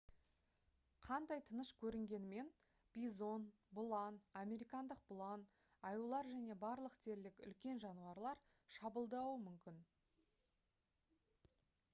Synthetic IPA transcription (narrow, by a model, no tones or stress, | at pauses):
qʰɑnd̪ɑjt̪ʰənəʃkʲʰɵɾɪŋɡʲe̞nɪme̞n | b̥ʲijzo̞n | bʊlˠɑname̞ɾijkɑnd̪əq̚bʊlˠɑn | ɑjulˠɑɾʒæne̞bɑɾlˠəqt̪ʰe̞ɾlɪkʏ̰lkʲe̞nʒɑnuɑɾlˠɑɾ | ʃɑbəlˠd̪ɑwəmʏmkʲɪn